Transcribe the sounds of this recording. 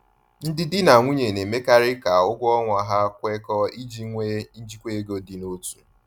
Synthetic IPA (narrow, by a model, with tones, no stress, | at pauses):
n̩˦dɪ˦dɪ˦na˨ŋʷu˦ɲe˨ne˨me˦ka˦ɾɪ˦ka˨ʊ˦ɡʷɔ˦ŋʷa˨ɦa˦kʷe˦kɔ˦i˦d͡ʒi˦ŋʷe˦n̩˦d͡ʒi˦kʷe˦e˦ɡo˦dɪ˨no˦tu̥˨